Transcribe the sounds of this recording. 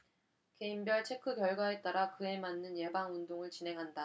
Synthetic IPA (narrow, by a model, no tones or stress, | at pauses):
ke̞imbjʌɭt͡ɕʰe̞kʰɯkjʌɭɡwaɦet̚t͈aɾakɯe̞manːɯnje̞baŋundoŋɯɭt͡ɕinɦe̞ŋɦanda